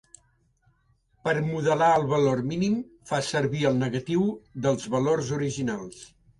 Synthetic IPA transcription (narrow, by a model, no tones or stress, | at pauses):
pəɾmuðəlaəlˠβəlorminim | fasəɾβiəlˠnəɣət̪iwðəlˠzβəlorzuɾiʒinalˠs